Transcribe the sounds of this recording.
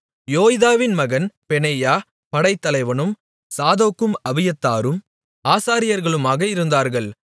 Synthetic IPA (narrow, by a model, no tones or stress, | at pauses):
joːjɪðaːʋɪnmɐɣɐnpɛneːjaː | pɐɽɐɪt̪ːɐlɐɪʋɐnɯm | saːðoːkːɯmɐʋɪjɐt̪ːaːɾɯm | aːsaːɾɪjɐɾɣɐɭɯmaːɣɐɪɾɯnd̪aːɾɣɐɭ